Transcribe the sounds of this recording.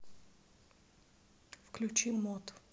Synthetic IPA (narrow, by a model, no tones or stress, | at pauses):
fklʲʊt͡ɕimːɔt̪